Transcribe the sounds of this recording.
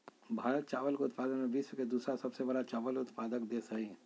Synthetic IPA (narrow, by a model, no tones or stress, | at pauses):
bʱaːɾət̪̚t͡ʃaːʋəlkoʊt̪paːd̪ənmẽbiːswəked̪uːsɾasɐbsebɐɽat͡ʃaːʋəlʊt̪paːd̪əkd̪eːsəɦiɦɛ̃